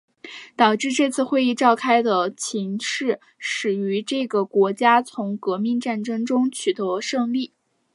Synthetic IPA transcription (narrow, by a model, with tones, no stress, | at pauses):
t̪ɑ˨˩ʊʈ͡ʂɻ̩˥˧ʈ͡ʂɤ˥˧t͡sʰɹ̩˥˧xwe˥˧ɪi˥˧ʈ͡ʂɑ˥˩ʊkʰa˥ɪd̪ə˨t͡ɕʰi˧˥ŋʂɻ̩˥˩ | ʂɻ̩˨˩y˧˥ʈ͡ʂɤ˥˩ɡə˩kwɔ˧˥t͡ɕja˥t͡sʰʊ˧˥ŋkɤ˧˥mi˥˧ŋʈ͡ʂa˥˩nʈ͡ʂɤ˥ŋʈ͡ʂʊ˥ŋt͡ɕʰy˨˩t̪ɤ˧˥ʂɤ˥˧ŋli˥˩